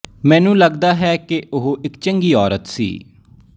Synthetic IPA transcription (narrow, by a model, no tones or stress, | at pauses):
mɛ̃ːnũːləɡd̪aːɦɛːkeʔʊɦoʔɪkt͡ʃəŋɡiːɔːɾət̪sḭː